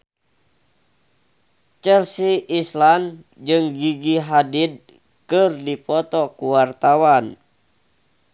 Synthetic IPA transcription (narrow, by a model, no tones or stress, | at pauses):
t͡ʃɛlsiislan | d͡ʒɨŋɡiɡiɦadid̚ | kɨrdipɔt̪ɔkuwart̪awan